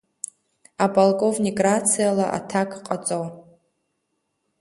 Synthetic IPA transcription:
abolkʼovniɡrat͡sʰijalaʔa̰tʰakʰʼqʼat͡sʼow

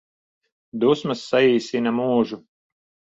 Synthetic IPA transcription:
d̪usmɐsːaiːsʲinɐmuːʒu

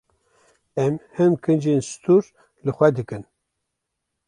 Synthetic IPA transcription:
ɛmhɨmkʰɨnd͡ʒenst̪uɾ | lɨxʷɛd̪ɨkɨn

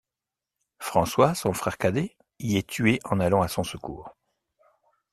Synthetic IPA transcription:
fχɑ̃swasɔ̃fχɛʁkad̪e | iɛt̪ʰɥeʔɑ̃nalɑ̃asɔ̃səkṵːʁ

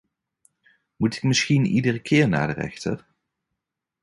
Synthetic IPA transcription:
mutɪ̥k̚mɪsxinidərəkʰɪːɹna̰ːdərɛ̰xtə̰r

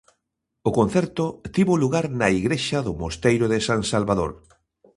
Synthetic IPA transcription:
okon̟θɛɾt̪ʊt̪iβoluɣaɾnaiɣɾeʃaðʊmost̪ejɾoðɪsaŋsalβaðo̰ɾ

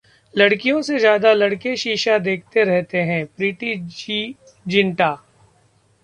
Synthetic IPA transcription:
lɐɽkijõsezjaːd̪alɐɽkeʃiːʃad̪eːk̚ʰt̪eɾɛɦt̪eɦɛ̃pɾiːʈii | d͡ʒɪ̃ɳʈaː

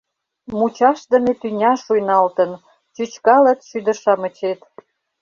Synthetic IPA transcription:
mut͡ɕɑʃd̪ə̆met̪ynʲɑʃujnɑlt̪ə̆n | t͡ɕyt͡ɕkɑlə̆t̪ʃyd̪ə̆ʃɑmə̆t͡ɕet̪

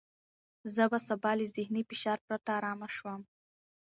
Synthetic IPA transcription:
zəbasabɑlizɪhnifɪʃɑɾpɾat̪aːɾɑmaʃwəm

